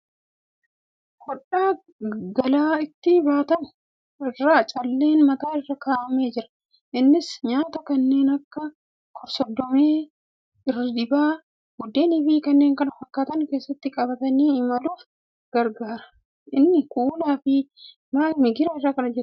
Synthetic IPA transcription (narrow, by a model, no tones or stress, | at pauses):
kɔᶑaː | ɡɐlaːɪt̪ːɪbaːt̪ɐn | ɪrːaːt͡ʃʼɐlːe̞ːnmɐt̪aːɪrːɐkaːʔɐme̞ːd͡ʒɪɾɐ̥ | ʔɪnːɪsɲaːt̪ɐkɐnːe̞ːnɐkːɐ | kʰɔɾsɔd̪ːɔme̞ː | ɪrɐd̪ɪbaː | ɡʊd̪ːe̞ːnɪbiːkɐnːeːŋkɐnɐfɐkːaːt̪ɐnke̞ːsːɐt̪ːɪkʼɐbɐt̪ɐniːɪmɐluːf | ɡ̥ɐɾɡaːɾɐ̥ | ʔɪnːɪkuːlaːfɪ | maːmɪɡɪɾaɪrːaːkɐnɐd͡ʒɛt̪